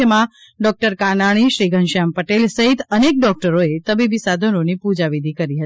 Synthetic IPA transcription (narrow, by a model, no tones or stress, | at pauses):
əmã | ɖɔk̚ʈəɾkanaɽ̃iʃɾiɡʱənʃampəʈelsəɦit̪ənek̚ɖɔk̚ʈəɾoet̪əbibisad̪ʱənonipud͡ʒaʋid̪ʱikəɾiɦət̪i